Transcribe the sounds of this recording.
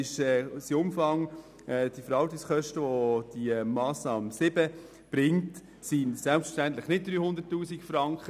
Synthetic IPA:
ɪʃɛsiʊmfɑŋ | ɛːd̥iəfəɾɑltikskœʃtəʋod̥imɑːsnɑːmsɪbə | b̥ɾɪŋt | sinsælpsfə̥ʃtænt̪lɪχnɪt̚d̥̪ɾyːhʊnd̪ətːuːsikfɾɑŋkχə

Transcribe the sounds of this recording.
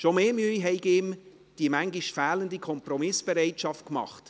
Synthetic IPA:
ʃomeːmyəjɦɛɪɡɪm | d̥imæŋɡiʃfæːləndikʰɔmprɔmɪsb̥ɛɾɛɪtʃɑft̚kmɑ̰χt

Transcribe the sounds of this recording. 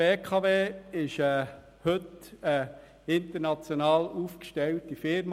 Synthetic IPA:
eːkʰɑveːɪʃə | hɵtə | ɪntəɾnɑt͡sjonɑːluːfkʃtɛltifɪɾm

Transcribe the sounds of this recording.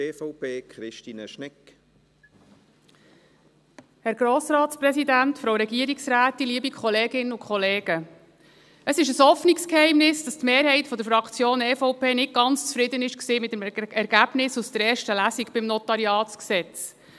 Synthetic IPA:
eːfɔʊpeːkχɾɪʃtiːnəʃnɪk | hɛɾɡɾoːsɾɑːtsprɛsidæntfɾoʊɾɛɡiəɾiksɾæːt̪ːiliəbikʰχɔleːɡɪnəukʰχɔleːɡ̥ə | əsɪʃəshɔfnikskhɛɪmnɪsd̥ɑstmeːɾhɛɪtfɔd̪əɾfɾɑkʰt͡sjoːnɛːfɔʊpeːnɪt̚ɡɑnt͡st͡sfɾɪd̪ənɪʃksiːmɪtːəmɛɾɡ̥æb̥nɪsust̪əɾɛːɾʃtəlæsikb̥ɪmnɔt̪ɑɾiɑːtt͡sksɛt͡s

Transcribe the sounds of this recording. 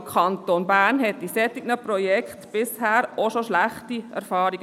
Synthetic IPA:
kʰɑntoːnbæːɾnhɛt̚d̥isɛtːiɡnəprojɛkχtb̥ɪshæːɾoʃoʃlæχtiɛ̰ɾfɑːɾiɡ

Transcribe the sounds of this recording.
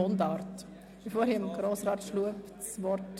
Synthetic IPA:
ond̪ɑːɾt | b̥ifoːɾhimɡɾoːsɾɑːtʃluəp | sʋɔɾt

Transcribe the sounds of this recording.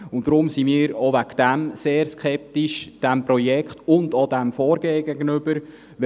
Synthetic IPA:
ʊnd̥ɾʊmsimiːɾoʋækd̥æmseːɾskʰɛp̚tiʃd̥æmpɾɔjɛkχtʊndodæmfɔːɾɡeːɡɛɡənʏb̥əɾ | ʋ

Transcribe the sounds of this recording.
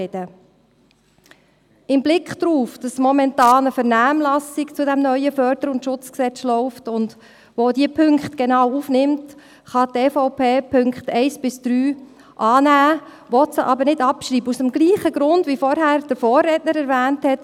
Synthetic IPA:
ɛd̥ə | ɪmblɪkχd̪̥ɾuːfd̥ɑsmɔmɛntɑːnəfəɾnæːmlɑsɪkt͡sʊdɛmnœʏəfœːɾdəɾʊntʃʊt͡sksɛt͡slɔʊftʊnd | ʋodiəpʰʏŋkχtɡ̥enɑːwufnɪmt | χɑteːfɔʊpʰeːpʰɵŋkχtɛɪsb̥ɪsd̥ɾyː | ʔɑːnæː | ʋɔtsəʔɑbəɾnɪdɑpʃɾiːbəusəmɡliːχəɡɾʊndʋifɔɾɦæːɾd̥əfoːrːɛtnəɾɛɾvæːnthɛt

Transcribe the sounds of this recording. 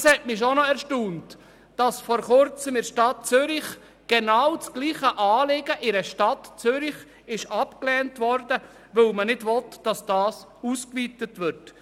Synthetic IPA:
shɛtmiʃɔnɔɛɾʃtuːnt | d̥ɑsfɔɾχʊɾt͡səmɪɾʃtɑt̚t͡sʏɾɪχ | ɡ̥enawt͡sɡ̥liːχəʔɑːlɪɡəʔɪɾəʃtɑtt͡søɾɪχ | ɪʃɑpklɛːntʋɔɾdə | ʋɵwlmənɪdvɔtd̥ɑsd̥ɑːs | uːskviːtətʋɪɾt

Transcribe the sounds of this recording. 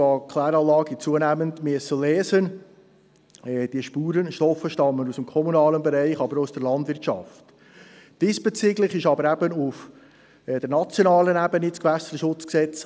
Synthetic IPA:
ɑkʰlæːɾɑlɑːɡət͡suənæməndmyəsəlɛːsən | d̥iəʃpuːɾənʃtɔfəʃtɑmːənusəmkʰɔmunɑːlənbɛɾɛɪχɑbəɾousd̥əɾlɑndvɪɐtʃɑ̰ft | d̥isb̥ɛt͡siɡlɪχɪʃɑbəɾæbənʊf | d̥ɛɾnɑt͡sjonɑːlənæbənɪskvæsəɾəʃʊt͡sksɛt͡s

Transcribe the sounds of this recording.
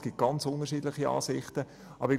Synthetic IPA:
ɡ̥it̚ɡ̥ɑnt͡sʊndəʃiːdlɪχiɑ̰ːsɪχtə | ʔɑbəɾ

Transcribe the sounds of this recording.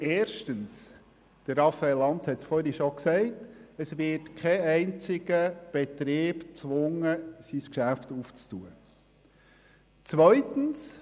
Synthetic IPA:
eːɾʃtəns | d̥əɾɾɑfːɑɛlːɑntt͡shɛtsfɔɾiʃɔksɛɪtəsʋɪtkʰɛɛɪnt͡sɪɡəb̥etɾiːb̥t͡sʋʊŋəsiskʃæftuːft͡stuːə | t͡sʋœʏtən̩s

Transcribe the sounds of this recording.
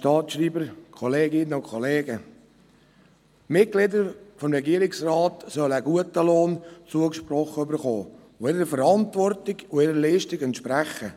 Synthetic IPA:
ʃtɑːtʃriːbəɾkʰɔleːɡɪnːəʊkʰɔleːɡə | mɪt̚ɡ̥lɪdəɾfɔmɾɛɡiəɾɪksrɑːtsœləɡuətəloːnt͡suəkʃpɾɔχəøbəɾχo̰ː | ʋoɪɾəfəɾɑntvɔrtɪɡʊɪɾəliːʃtɪɡɛntʃpɾæχə

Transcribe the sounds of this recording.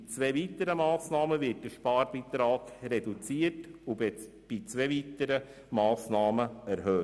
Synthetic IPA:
t͡sʋeːviːtəɾəmɑːsnɑːməvɪt̚d̥əʃpɑːɾbit̪ɾɑːɡrɛdut͡siətʊ | b̥it͡sʋeːviːtəɾə | mɑːsnɑːməæɾɦøː

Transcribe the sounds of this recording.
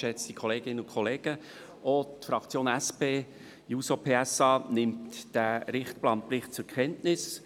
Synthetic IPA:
ʃɛt͡st̪ikʰoleːɡɪnːəʊnkʰɔleːɡ̥ə | otfɾɑkt͡sjoːnæspeː | juːsopʰeːæsɑːnɪmtd̥æɾɪχtplɑnplɪχt̚t͡sʊɾkʰɛntnɪs

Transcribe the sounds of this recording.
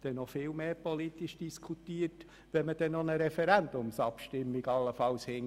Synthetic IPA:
d̥ɛnːɔfɪːlmeːpɔlit̪iʃd̥iskʰut̪iːəɾt | ʋɛməd̥ɛnːɔnəɾɛfɛɾænd̥̪ʊmsɑpʃtɪmːiɡɑlːəfɑlshɪŋ

